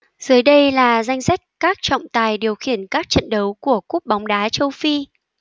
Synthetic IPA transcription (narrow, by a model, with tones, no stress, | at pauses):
z̥ɨ˨˦jɗə˧jlaː˨˩za˧jŋ̟sa˦˥jk̟̚kaː˦˥k̚t͡ɕɔ̰˧˨wŋ͡mt̪aː˨˩jɗi˨˩əwxi˧˩ənkaː˦˥k̚t͡ɕə̰˧˨nɗə˨˦wku˧˩əku˦˥p̚ɓɔ˨˦wŋ͡mɗaː˨˦t͡ɕə˧wfi˧